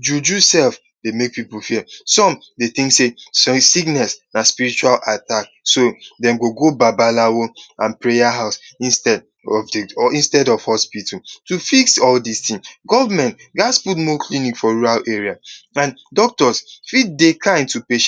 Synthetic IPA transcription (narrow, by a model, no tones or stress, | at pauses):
d͡ʒud͡ʒusɛlf | demek̚pipulfisɔ̃m | deθĩŋksessiɡnɛsnaspiɾit͡ʃualatak | sodɛ̃mɡoɡobabalawoãnpɹejaɦaʊsĩnstɛd | ɔfĩnstɛdɔv̥hɔspitɔtufiksɔldistĩŋɡɔvamɛ̃nt | ɡasput̬mɔkʰlinikfɔɹuɾaleɹiaãndɔk̚tɔsfit̚dekʰãɪ̃ntupeʃɛ̥̃